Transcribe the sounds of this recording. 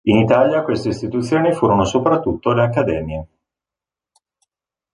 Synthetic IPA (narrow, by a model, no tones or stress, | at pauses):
init̪aːljakwest̪eist̪it̪ut̪sːjoːnifuːɾonosopɾat̪ːut̪ːoleakːad̪ɛːmje